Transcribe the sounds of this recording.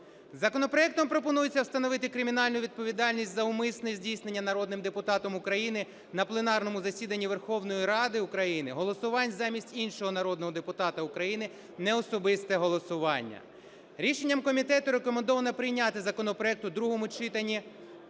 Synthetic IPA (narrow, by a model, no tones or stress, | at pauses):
zɐkɔnɔpɾɔɛk̚t̪ɔmpɾɔpɔnujet͡sʲːɐwst̪ɐnɔʋɪt̪ɪkɾɪmʲinɑlʲnʊʋʲid̪̚pɔʋʲid̪ɑlʲnʲisʲtʲzɐʊmɪsnɔzʲdʲijsnenʲːɐnɐɾɔd̪nɪmd̪epʊt̪ɑt̪ɔmʊkɾɐjinɪ | nɐplˠenɑrnɔmʊzɐsʲid̪ɐnʲːiʋerxɔwnɔjiɾɑd̪ɪʊkɾɐjinɪɦɔlˠɔsʊʋɑnʲzɑmʲisʲtʲinʃɔɦɔnɐɾɔd̪nɔɦɔd̪epʊt̪ɑt̪ɐʊkɾɐjinɪ | nɛɔsɔbɪst̪ɛɦɔlˠɔsʊʋɑnʲːɐ̰ | ɾʲiʃenʲːɐmkɔmʲit̪ɛt̪ʊɾekɔmend̪ɔʋɐnɐpɾɪjnʲat̪ɪzɐkɔnɔpɾɔɛk̚t̪ʊd̪ɾuɦɔmʊt͡ʃɪt̪ɐnʲːi